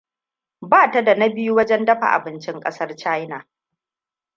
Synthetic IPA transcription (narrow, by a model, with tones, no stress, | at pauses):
baː˦˨ta˨da˨na˦bɪ˦ju˦wɐ˦d͡ʒɛ˦ndɐ˦ɸa̰˨ʔa̰˨bɪ˦nt͡ʃɪ˦ŋkʼɐ˦sɐ˦rt͡ʃa˦jna˨